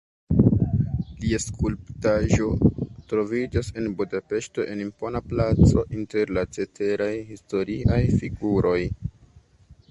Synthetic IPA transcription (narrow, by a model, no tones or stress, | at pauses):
liaskʰulptaʒo̞tɾo̞vid͡ʒase̞nbudape̞ʃto̞ʔe̞nimpo̞naplat͡so̞ʔinte̞ɾlat͡se̞tʰe̞ɾajhisto̞ɾiʔajfiɡuɾʔo̞j